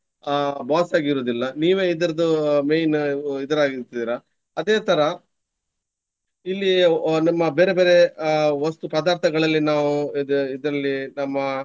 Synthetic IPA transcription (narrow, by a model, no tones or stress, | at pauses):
baːsaːɡiɾoːd̪ilːɐniːʋeːid̪ɐɾɐd̪umejnid̪ɐɾaːɡiɾt̪id̪iːɾɐ | ɐd̪eːt̪ʰɐɾɐ | ilːinɐmːɐbeːɾe̞beːɾe̞ʋɐst̪upɐd̪aːɾt̪ʰɐɡɐɭɐlːinaːʋuid̪ɐɾɐlːinɐmːɐ